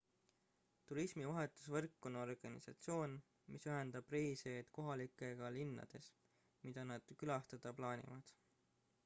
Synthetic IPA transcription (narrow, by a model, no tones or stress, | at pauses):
t̪uɾismivɑɦe̞t̪ːˑu̥svɤrkːo̞no̞rɡ̥ɑnḭsɑ̰t̪sio̞ːn | misyɦe̞nd̪ɑb̥riːseːd̪̥ko̞ɦɑlikːˑe̞ɡ̥ɑlinːɑ̰d̪̥e̞s | mid̪̥ɑnɑd̪̥kylɑst̪ɑd̪̥ɑplɑːnʲḭvɑd̪̥